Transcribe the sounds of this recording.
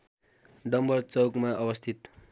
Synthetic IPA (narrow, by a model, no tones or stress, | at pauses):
ɖʌmbʌrt͡sʌwkmaʔʌbʌst̪ʰit̪